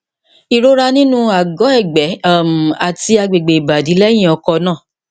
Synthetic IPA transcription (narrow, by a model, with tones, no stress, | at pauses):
i˨ɾo˦ɾa˦nĩ˦nũ˦a˨ɡɔ˨˦ɛ˦˨ɡ͡bɛ˨˦˨m̩˨a˨ti˧a˧ɡ͡be˨ɡ͡be˨i˨ba˨di˨˦lɛ˦j̃ĩ˦˨ɔ˧kɔ˧nãː˦˨